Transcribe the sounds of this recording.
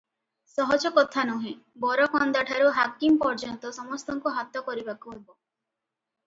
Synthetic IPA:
sɔɦɔd͡ʒɔkɔt̪ʰanuɦẽ | bɔɾɔkɔnd̪aʈʰaɾuɦakimpɔɾd͡ʒɔnt̪ɔsɔmɔst̪ɔŋkuɦat̪ɔkɔɾibakuɦebɔ

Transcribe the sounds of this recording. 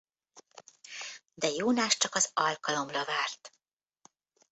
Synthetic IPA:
d̪ɛjoːnaʃt͡ʃɒkɒzɒlkɒlo̞mrɒvaːrt̪

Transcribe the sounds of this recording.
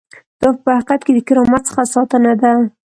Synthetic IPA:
d̪̥ɑpəhaqat̪ked̪əkɪɾɑmat̪̚sə̥xasɑt̪ənad̪a

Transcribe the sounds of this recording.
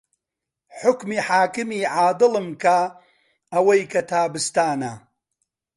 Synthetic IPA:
ħʊkmiːħaːkɨmiːʕaːd̪ɨlɨmka | ɐwɐjkɐt̪ʰaːbɨst̪aːnɐ

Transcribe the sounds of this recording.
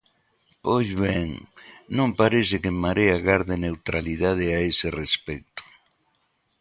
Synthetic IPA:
pojzβeŋnõmpaɾesɪkemːaɾeaɣaɾðenewt̪ɾaliðað̞eaeserespɛk̚t̪ʊ̥

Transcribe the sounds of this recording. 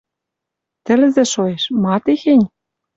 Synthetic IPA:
t̪ɘ̆lzĕʃoeʃmɑt̪exenʲ

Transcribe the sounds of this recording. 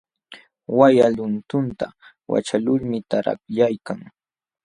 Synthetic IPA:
wajalʊnt̪ʊnt̪a | wa̰t͡ʃalʊɾmɪt̪aɾa̰kʎajkaŋ

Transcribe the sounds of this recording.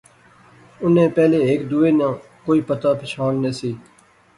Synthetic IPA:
ʊnẽːpɛːleːeːkd̪uːeːnãː | koːiːpət̪aːpʰɪt͡ʃʰaːnːeːsiː

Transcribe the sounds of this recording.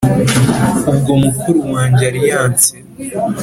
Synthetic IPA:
ubɡo̞mukʰuɾuwaːɲɟeaɾijaːnse

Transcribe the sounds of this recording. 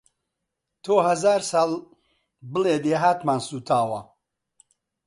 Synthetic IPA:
t̪ʰoːhɐzaːɾsɑːlˠ | bɨleːd̪eːɦaːt̪maːnsuːt̪ʰaːwɐ

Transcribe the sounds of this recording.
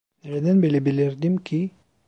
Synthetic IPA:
neɾed̪ænbelʲɛbilʲiɾd̪imcʰi

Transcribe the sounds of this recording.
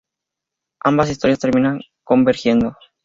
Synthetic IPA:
ambas̬ist̪o̞ɾjast̪e̞ɾmĩnaŋ | ko̞mbeɾxje̞nd̪o

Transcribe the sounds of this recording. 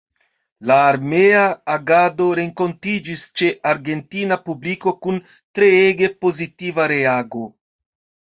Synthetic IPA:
laːɾmeaːɡad̪o̞ɾeŋko̞ntid͡ʒist͡ʃeʔaɾɡentinapubliko̞kun | tɾeeɡepozit̪ivaɾeaɡo

